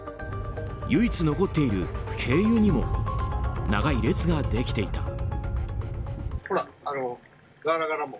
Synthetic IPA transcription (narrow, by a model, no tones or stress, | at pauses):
jɯ̟it͡sɨno̞ko̞t̪ːe̞iɾɯ̟kʰe̞ːjɯːɲ̟imo̞̰ | na̰ɡaiɾe̞t͡sɨɡad̪e̞kʲi̥t̪e̞it̪a̰ | hoɾaano | ɡaɾaɡaɾamo